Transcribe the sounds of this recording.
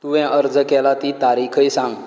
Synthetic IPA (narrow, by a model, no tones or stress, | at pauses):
t̪uʋɛ̃ʔəɾd͡zəkɛlat̪it̪aɾikʰəjsãŋɡ